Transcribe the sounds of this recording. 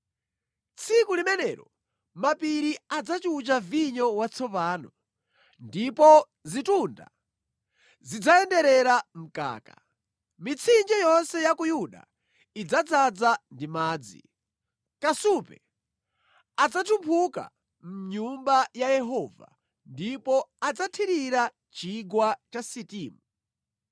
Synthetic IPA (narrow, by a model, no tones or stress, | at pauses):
t͡sʰikulimɛnɛːɾɔ | mapiɾiad͡zat͡ʃut͡ʃaviɲɔwat͡sʰɔpaːnɔ | ndipɔ | zitunda̰ | zid͡zaɛndɛɾɛɾam̩ka̰ːka | mit͡sʰind͡ʒɛjɔnsɛjakujuɗa̰ | id͡zad͡zad͡zandimaːd͡zḭ | kasupɛ̰ | ad͡zatʰupʰuka̰ | m̩ɲumbajajɛɦɔːva̰ | ndipɔad͡zatʰiɾiɾa | t͡ʃiɡwat͡ʃasitiːmu